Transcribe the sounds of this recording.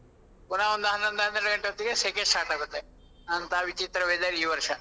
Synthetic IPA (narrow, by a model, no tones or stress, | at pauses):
punaʋond̪ɐɦɐnːɐnd̪ɐɦɐnɾɐɖɐɡɐɳʈːeɐt̪ːikesekesʈaːɾʈaːɡot̪ːe | ɐnt̪aʋit͡ʃit̪ɾɐʋeːd̪aːɾiiːʋɐɾʂɐ